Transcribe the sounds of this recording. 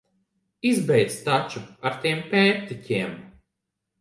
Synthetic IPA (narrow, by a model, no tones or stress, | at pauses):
izbɛjt̪st̪at͡ʃuaɾt̪iɛmpʲɛːp̚t̪icʲiɛm